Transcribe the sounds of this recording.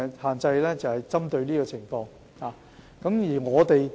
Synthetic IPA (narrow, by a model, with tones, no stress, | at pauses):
haː˨nt͡sɐ˧jlɛː˥t͡sɐ˨whɐ˨jt͡sɐ˥mt̪ɵ˧ɥniː˥kɔː˧t͡sʰɪ˨˩ŋfɔː˧ŋ | haː˨˩ | kɐ˨˥mjiː˨˩ŋɔː˨˧t̪e˨j